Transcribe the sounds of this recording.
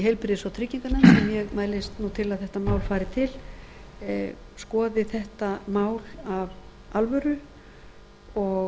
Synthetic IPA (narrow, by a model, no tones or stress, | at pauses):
ɦɛjlpɪɾɪðɪsawt̪ʰɾɪciŋkanansɛmjɛɣmaːjlɪst̪nut̪ʰɪlaðθɛht̪amaːwlfaːjɾɪt̪ʰɪl | skɔːðɪθɛht̪amaːwlav | alvœɾʏ | ɔ